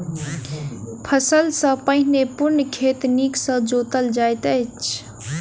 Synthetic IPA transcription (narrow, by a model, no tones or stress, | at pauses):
pʰəsəlsə̃pəɦnepuɾnkʰet̪niksə̃d͡ʒot̪əld͡ʒajt̪əjt͡ʃʰ